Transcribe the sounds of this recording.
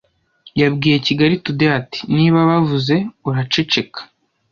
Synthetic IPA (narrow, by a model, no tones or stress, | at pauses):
jabɡiːje̞ciɡaɾitudeati̥niːβaβavuze̞uɾat͡ʃe̞t͡ʃe̞kḁ